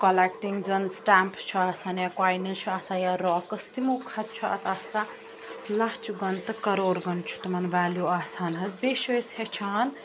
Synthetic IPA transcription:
kɐlekʈiŋd͡zɐnsʈampt͡ʃʰuasanjakwajnɐnt͡ʃʰuasajaɾɔːkɐst̪imukʰɐt̪̚t͡ʃʰuɐ̰t̪ʰɐsa | laht͡ʃʰuɡɐnt̪ɨkɐɾoːɾɡɐnt͡ʃʰu̥t̪mɐnʋaːljuasanɦɐzbeʃeshet͡ʃʰaːn

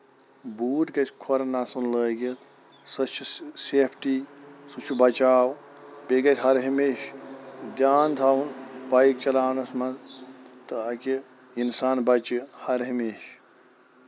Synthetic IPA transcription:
buːʈ̪kɐt̪ʰʲkʰoɾɐnːasunləːɡet̪ʰ | sɐt͡ʃʰuseːpʰʈisut͡ʃʰubɐt͡ʃaːw | beɡɐt̪ʰʲɦɐɾɦimeʃd̪jaːnt̪ʰawunbajik̚t͡ʃɐlaːwnɐsmɐnt̪ɨɐki | insaːnbɐt͡ʃihɐɾɦimeːʃ

